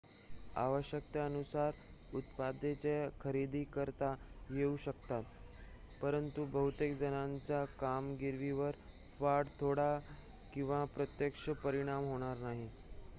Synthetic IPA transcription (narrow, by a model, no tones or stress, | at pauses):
a̰ʋəɕjək̚t̪aənusaɾut̪pad̪et͡ɕekʰəɾid̪iːkəɾt̪ajeuɕəkt̪at̪ | pəɾənt̪ubəɦut̪ekd͡zənaɲt͡ɕakamɡiɾʋiʋəɾ | faɾɽt̪ʰoɽa | kĩw̃ʋapɾət̪jəkʂəpəɾiɽ̃amɦoɽ̃aɾnaɦi